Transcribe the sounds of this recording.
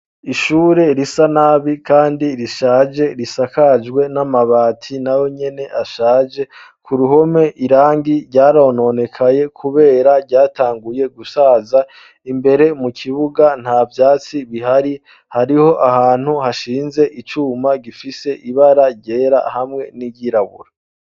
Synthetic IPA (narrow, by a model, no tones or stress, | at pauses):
iʃuːɾe̞ɾisanaβikʰaːndiɾiʃaːd͡ʒe̞ɾisakad͡ʒɡwe̞namaβaːtʰinawo̞ɲe̞ne̞ʔaʃaːd͡ʒe̞ | kʰuɾuɦo̞me̞ʔiɾaːŋɡiɾɟaːɾoːno̞ne̞kʰaje̞kʰuβe̞ːɾaɾɟaːtaːŋɡuje̞ɡusaza | imbe̞ɾe̞mukʰiβuɡan̥havjaːt͡siβiɦaɾi | haɾiho̞ʔahaːn̥huhaʃiːnze̞ʔit͡ʃuːmaɡifise̞ʔiβaɾaɟe̞ːɾa̰hamŋe̞niɟiɾaβṵɾa